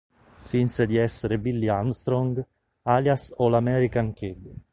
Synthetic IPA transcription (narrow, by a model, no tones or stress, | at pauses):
finsed̪iɛsːeɾebilːiamst̪ɾɔŋɡ | aljasolamɛɾikaŋkiɡ